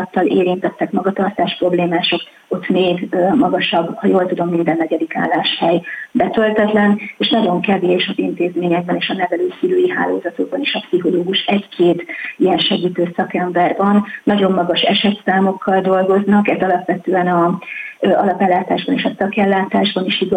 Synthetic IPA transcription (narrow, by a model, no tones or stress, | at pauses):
t̪ːɒleːɾint̪ɛt̪ːɛkmɒɡɒt̪ɒrt̪aːʃpro̞bleːmaːʃo̞k | o̞t̪meːɡmɒɡɒʃɒbːhɒjoːlt̪ud̪o̞mːind̪ɛnːɛɟɛd̪ika̰ːlaːʃhɛjbɛt̪ø̞lt̪ɛt̪lɛneːʃnɒɟo̞ŋkɛveːʃɒzint̪eːzmeːɲɛɡ̚bɛneːʃɒnɛvɛløːsiløːjiɦa̰ːlo̰ːzɒt̪o̞ɡ̚bɒneːʃɒpsiɦo̞loːɡuʃɛɟkʰeːt̪ijɛnʃɛɡiːt̪øːsɒkɛmbɛrvɒnːɒɟo̞mːɒɡɒʃɛʃɛt̪saːmo̞kʰːɒld̪o̞lɡo̞znɒkɛzɒlɒpʋɛt̪øːɛnɒ | ɒlɒpɛlːaːt̪aːʒbɒneːʃɒsɒkɛlːaːt̪aːʒbɒniʃiɡ